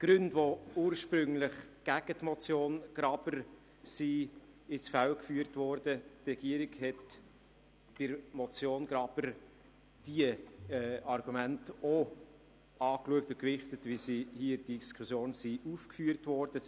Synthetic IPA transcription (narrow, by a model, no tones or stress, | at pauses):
ɡ̥ɾʏndvouːɾʃpɾʏŋlɪχɡ̥æɡ̥ətmɔt͡sjoːnɡ̥ɾɑb̥əɾ | si | ɪt͡sfælkfyːəɾtʋɔɾd̥ətɾɛɡ̥iəɾiɡhɛt | b̥ɪɾmɔt͡sjoːnɡɾɑb̥əɾ | d̥iəɛɑrɡ̥umænto | ɑːkluək̚tʊkvɪχtətvisihiədiskʰʊsjoːnsiʔufkfyːəɾtvɔɾd̥ə